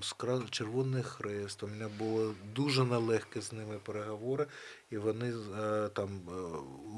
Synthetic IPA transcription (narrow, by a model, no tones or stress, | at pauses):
mskɾɑt͡ʃerʋɔnɪxɾɛst̪omɪnʲabʊlˠɔd̪uʒɛnɛlˠɛxkɛznɪmɪpeɾeɦɐʋɔɾɪiʋɔnɪt̪ɑm